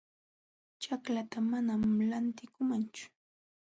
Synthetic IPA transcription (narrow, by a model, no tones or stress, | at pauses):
t͡ʃaklat̪amanamlant̪ɪkʊmant͡ʃʊ̥